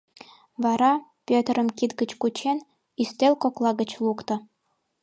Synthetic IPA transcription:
vɑɾɑpʲøt̪rə̆mkit̪ɡə̆t͡ɕkut͡ɕen | ist̪ʲelʲkoklˠɑɡə̆t͡ɕlˠukt̪ɤ̆

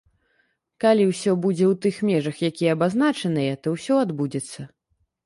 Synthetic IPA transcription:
kalʲiwsʲɔbud͡zʲɛwt̪ɨxmʲɛʐɐxjakʲijɛɐbaznat͡ʂɐnɨjɛt̪ɔwsʲɔad̪bud͡zʲɛt̪sːɐ

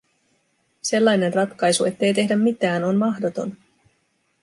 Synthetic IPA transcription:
se̞lːɑjne̞nrɑt̪kɑjsue̞t̪ːe̞jt̪e̞ɦdæmːit̪æːno̞nmɑhdo̞t̪o̞̰n

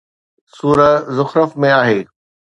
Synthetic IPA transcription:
suːɾəzʊxɾəfmẽaːɦeː

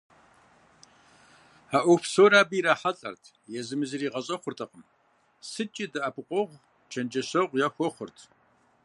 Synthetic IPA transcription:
aʔʷɔpʰsoːɾaːbiːɾaːħaɬʼɐ̰rtʰ | jɛzɨmɨzɨriːʁɐɕʼɐχʷʊrtʰɐqəm | sɨt͡ʃʼidɨʔapʰɨqʷʼɔʁʷ | t͡ʃʰɐnd͡ʒɐɕɐʁʷjaxʷɔχʷʊrtʰ

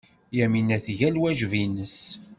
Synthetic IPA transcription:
jæminæθʝælwæʒvinəs

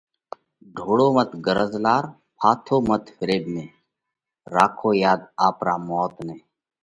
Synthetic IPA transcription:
ɖʱoːɽoːmət̪ɡəɾəzlaːɾ | pʰaːt̪ʰoːmət̪ʰfɪɾeːbnẽː | ɾaːkʰoːjaːd̪aːpɾaːmɔːt̪neː

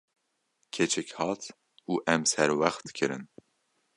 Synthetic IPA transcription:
kʰet͡ʃʰɛkhɑːt̪ | uːʔɛmsɛɾwæxt̪kʰɨɾɨ̰n

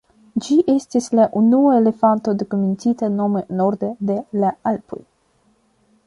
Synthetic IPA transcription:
d͡ʒiʔe̞stislaʔunuaele̞fant̪o̞d̪ekomintitano̞meno̞ɾd̪ed̪e̞laalpo̰j

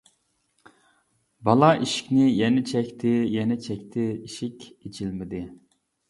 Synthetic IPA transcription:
bɑlˠɑʔiʃi̥kʲnɪjɛnɛt͡ʃʰɛkʲt̪ʰɪjɛnɛt͡ʃʰɛkʲt̪ʰɪiʃɪkʲet͡ʃʰilmɪd̪ɪ

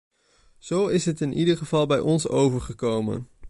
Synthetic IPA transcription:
z̥owɪsɦətɪnʔidəɹχəvɑlˠbɛjʔɔnso̰wvəɹχəkowmə̰n

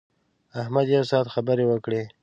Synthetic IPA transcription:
ahmad̪jasɑd̪xabəɾewəkɽe

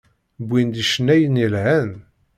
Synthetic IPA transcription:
bʷːind̪iʃənːæjənilʕæn

